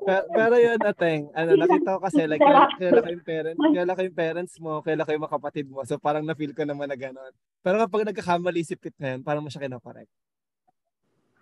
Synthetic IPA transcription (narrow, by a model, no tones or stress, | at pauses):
pɛɾopɛːɾojonɐt̪ɛŋʔɐnonɐkiːt̪ːɐokɐsɛlɐɡkɪjalakojʊŋpɛːɾɐnt̪ɪaːlakojʊŋpɛːɾɐnt̪smo̞kɐjalakojʊŋmɐɐkɐpɐt̪ɪd̪̚mosopaːɾɐŋnɐfilkonɐmɐnːɐɡɐno̞n | pɛːɾokɐpɐɡ̚nɐɡ̚kːɐkaːmɐliːsɪp̚ːɪt̪̚ŋɐjo̞npaːɾɐmoʃɐkɪnoːkɐɾɛ̰k̚t̪̚